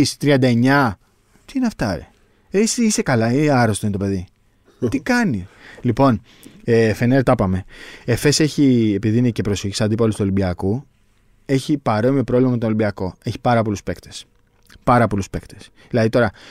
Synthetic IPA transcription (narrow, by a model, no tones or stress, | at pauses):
ist̪ɾiɐnd̪ɐe̞ɲɐ | t̪iineɐft̪ɐḛ | esisekɐlɐiɐɾo̞st̪oinit̪o̞pe̞ði | t̪ikɐnilipo̞n | efeneɾt̪ɐpɐme̞efe̞se̞çiepiðiinece̞pɾoseçisɐnd̪ipolost̪uo̞libiɐku | e̞çipɐɾo̞miopɾo̞vlimɐmet̪oolibiɐko̞e̞çi̥pɐɾɐpo̞luspekt̪e̞̥s | pɐɾɐpo̞luspe̞kt̪es | ðilɐðit̪o̞ɾɐ